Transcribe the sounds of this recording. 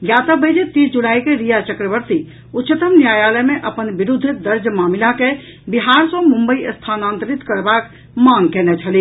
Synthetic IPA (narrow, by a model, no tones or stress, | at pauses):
ɡjat̪əbəjd͡ʒet̪isd͡ʒulaikeɾijat͡ʃəkɾəbəɾt̪i | utːt͡ʃət̪əmnjajaləjmeʔəpənbiɾud̪ʱːd̪əɾd͡ʒmamilake | biɦaɾsə̃mumbəiəst̪ʰanant̪əɾit̪kəɾbak | maŋɡkɛnɛt͡ʃʰəli